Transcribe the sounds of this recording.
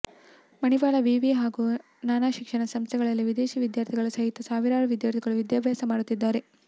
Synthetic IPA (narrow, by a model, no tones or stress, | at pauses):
mɐniʋaːɭɐʋiːʋiɦaːɡu | naːnaːʃikʂɐɳɐsɐmst̪ʰɛɡɐɭɐlːiʋid̪eːʃiʋid̪jaːɾt̪ʰiɡɐɭɐsɐɦit̪ːɐsaːʋiɾaːɽuʋid̪jaːɾt̪ʰiɡɐɭuʋid̪jaːbʱjaːsɐmaːɽut̪ːid̪ːaːɾe̞